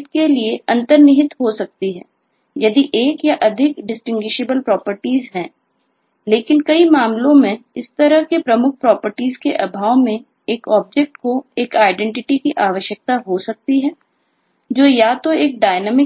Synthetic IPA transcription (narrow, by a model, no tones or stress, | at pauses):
t̪kelieʔɐ̃nt̪əɾnɪɦɪt̪ɦosɐk̚t̪iɦɛ̰̃ː | jɐd̪iʔeːkjaʔɐd̪ʱɪkɖɪsʈɪ̃ŋɡwɪʃeːbəlpɾɔːpəɾʈiːzɦɛ̃ː | leːkɪnkɐimaːmlõmẽɪst̪ɐɾəɦkepɾɐmʊk̚ʰpɾɔːpəɾʈiːzkeʔɐbʱaːʋmẽ | eːkɔːb̚d͡ʒɛk̚ʈkoeːkaːɪɖɛ̃ɳʈɪʈikiʔaːʋəʃjək̚t̪aɦosɐk̚t̪iɦɛː | d͡ʒoːjaːt̪oeːk̚ɖaːɪnɛːmɪ